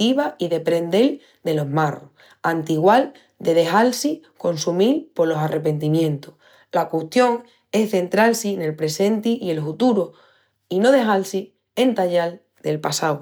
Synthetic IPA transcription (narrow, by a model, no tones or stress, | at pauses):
iβaiðe̞pɾe̞nd̪e̞l | d̪e̞lo̞ɦmaro̰ | ant̪iɣwal | d̪e̞ðe̞ɦalsiko̞nsumilpo̞lo̞sare̞pe̞nt̪imjẽ̞nt̪o̥h | lakweht̪jo̞ŋ | e̞hθe̞nt̪ɾalsine̞lpɾe̞sẽ̞nt̪iʔie̞lfut̪uɾo | ino̞ðe̞ɦalsi | e̞nt̪aʎal | d̪e̞lpasaw